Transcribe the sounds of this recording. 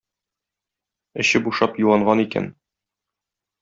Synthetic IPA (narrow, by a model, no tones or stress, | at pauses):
ɘ̆ɕɘbuʃɑpjuwˠɑɴɢɑnikæ̰n